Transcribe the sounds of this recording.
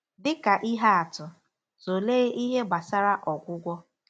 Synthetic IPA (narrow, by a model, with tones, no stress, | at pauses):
dɪ˦ka˨ʔi˦ɦa˦a˨tʊ˨ | zo˨leː˦i˦ɦe˦ba˨sa˦ɾa˦ʔɔ˨ɡʷʊ˦ɡʷɔ˦